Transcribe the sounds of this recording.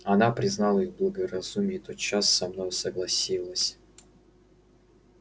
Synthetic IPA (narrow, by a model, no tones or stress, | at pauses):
ɐnapɾʲɪznɑlˠəiɣblˠəɡəɾɐzumʲɪt̪ot̪̚t͡ɕasːɐmnojʊsəɡlˠɐsʲilˠəsʲ